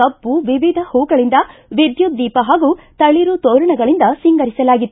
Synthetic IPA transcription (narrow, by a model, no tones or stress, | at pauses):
ɐbːuʋiʋid̪ʱɐhuːɡɐɭind̪ɐʋid̪jud̪iːpɐɦaːɡuːt̪ɐɭiɾut̪oːɾɐɳɐɡɐɭind̪ɐsiŋɡɐɾisɐlaːɡit̪ːu